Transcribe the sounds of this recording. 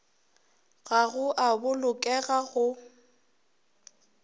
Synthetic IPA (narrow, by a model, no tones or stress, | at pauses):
ɣaɣʊʔabʊlʊkʼɛɣaɣʊ